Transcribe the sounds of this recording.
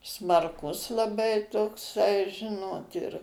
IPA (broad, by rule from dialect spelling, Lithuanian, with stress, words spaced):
smɐrˈkʊs lˠɐˈbɐɪ toːkˈsɐɪ ˈʒʲɪnoːt ɪr